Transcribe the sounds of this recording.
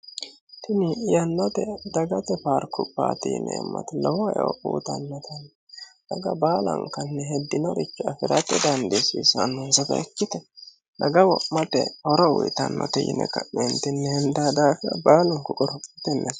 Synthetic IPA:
t̪ɪnɪjɐnːɔt̪ɛd̪ɐɡɐt̪ɛfaɾkʰʊpːa̰ːt̪ɪjɪnɛ̰ɛmːɐ̰t̪ɛlɔwɔɛɔṵːt̪ɐ̰nːɔt̪ʰɐnːɛ | d̪̥ɐɡɐbaːlɐ̰ŋkɐnːɛɦɛd̪ːɪnɔɾɪt͡ʃːʊɐfɪɾɐt̪ɛd̪ɐnd̪esisɐnːʊnsɐt̪ɐ̰ɛkːɪt̪ɛ | d̪ɐɡɐwɔmɐt̪ɛ̰hɔɾɔwɪt̪ɐnːɔ̰t̪ɛjɪ̰nɛ̰kɐʔɛnt̪ɪnːɛhɛnd̪aːd̪aːfɪɐ̰baːlʊŋkʊkʼɔɾɔpʼɪt̪ɛnːɛs

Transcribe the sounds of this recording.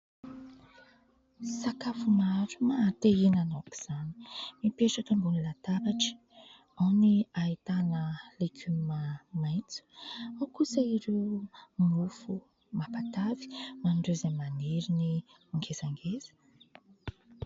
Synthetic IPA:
sakafumaɾu̥mat̪einanoku̥z̥ani̥mipeʈ͡ʂək̪aŋɡunilat̪aɾaʈ͡ʂi̥ | awniait̪anəlikʰʲymamajt͡su̥awkusəiɾewmufu | mapat̪avi̥manɖ͡ʐezemaneɾini | aŋɡezaŋɡezə̥

